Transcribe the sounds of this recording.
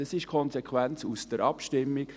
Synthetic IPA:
ɑsɪʃkʰɔnsɛkʰʋænt͡susd̥əɾɑpʃtɪmːik

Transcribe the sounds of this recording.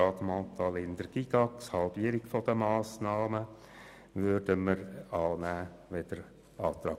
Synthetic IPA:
ɑɡmɑ̃t̪ɑlɪnd̪əɾɡ̥iɡ̥ɑkshɑlb̥iəɾɪkfɔd̪əmɑːsnɑːmə | ʋøɾdəməɾɑːnæː | ʋɛd̪əɾ | ɑːt̪ɾɑː

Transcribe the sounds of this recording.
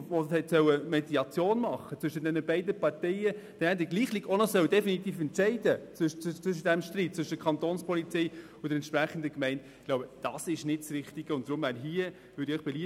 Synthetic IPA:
oɛtsœwəmɛdiɑt͡sjoːnmɑχːət͡sʋʏʃədɛnəbɛɪdəpɑɾtɛɪəd̥ɛnɛdɪɡliːχlikonɔsœʊd̥ɛfinit̪iːfɛntt͡ʃɛɪdə | t͡st͡sʋʏʃ̬əd̥ɛmʃtɾiːt̚t͡sʋʏʃədəkʰɑnt̪oːnspʰɔlit͡sɛɪ | ʊd̥ɛɾɛntʃpɾæχən̩dəkmɛɪntɪɡlowbəd̥ɑsɪʃnɪt̚sɾɪχtiɡ̥əʊnt̚d̥̪ɾʊmvæːɾɦiə | vʏːɾdɪœʏχb̥ɛli

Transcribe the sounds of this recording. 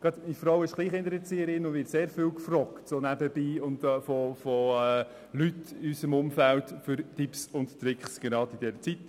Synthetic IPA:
ɡ̥ɑtdifɾowɪʃɡ̥liːχɪnt̪əɾɛt͡siəɾɪnʊndvɪːtseːɾfywkfrɔktsonæbəb̥iːʊntfɔfɔɛ | lytɪysəmʊmfæltføɾtipsʊnttɾɪkχsɡ̥eɾɑːdidɛɾət͡sit

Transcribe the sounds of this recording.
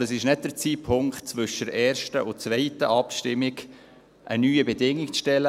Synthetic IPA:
əsɪʃnɛt̚d̥əɾt͡siːpʰʊŋkt̚t͡svʏʃəɾɛːɾʃtəʔʊt͡svɛɪtə̰ʔɑpʃtɪmːɪɡ | ʔə̰nyːəbɛdɪŋːɪk̚t͡sʃtɛlə

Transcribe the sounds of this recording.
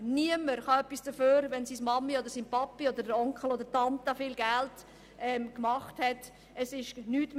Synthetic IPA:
niəməɾχɑœpːisdəføːɾʋɛnsismɑmːiod̪əɾsiːnpɑpːiod̪əɾdəɾɔŋkχəlod̪əɾtɑntɑfiːlɡælt | ʔɛmkmɑχthɛt | əsɪʃnyːtm

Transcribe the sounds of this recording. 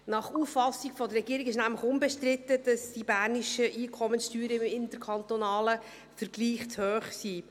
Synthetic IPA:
nɑχuːfɑsiɡfɔd̪əɾrːɛɡiːɾiɡɪʃnæmləχʊnbɛʃtrɪtəd̥ɑsd̥ibæːɾniʃəʔiːkʰɔmənsʃtyːɾəɪmɪntəɾkʰɑnt̪onɑːlə | fəɾɡliːχt͡shøːχsiː

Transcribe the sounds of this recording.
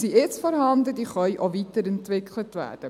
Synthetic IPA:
siɪt͡sfɔɾɦɑndədiːχœʏʔovitəɾɛntvɪklətvæ̰ːrd̥ə

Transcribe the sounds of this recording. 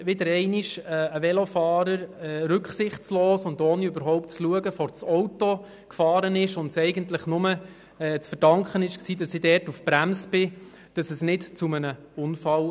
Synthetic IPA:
ʋɪdəɾɛɪniʃɛəʋɛlofɑːɾəɾɛɾʏkχsɪχtt͡sloːsʊndoːniøbəɾɦɔʊp̚tt͡sluəɡəfɔɾt͡sɔʊto | kfɑːɾənɪʃʊntsɛɪɡəntləχnʊmə | ɛːt͡sfəɾd̥ɑŋkχənɪʃksiːd̥ɑsɪdɛːrtufpɾæmsb̥ɪ | d̥ɑsəsnɪtt͡sumənə | ʊnfɑl

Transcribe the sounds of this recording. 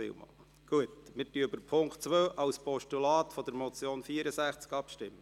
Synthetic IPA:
ɪ̰wmɑ̰ːl | ɡ̥uətmɪɾtyəbəɾpʰʊŋktt͡sʋøːʔɑwspɔʃtulɑːt̪fɔd̥əɾmɔt͡sjoːnfiəɾəsæχt͡skɑpʃtɪmːə

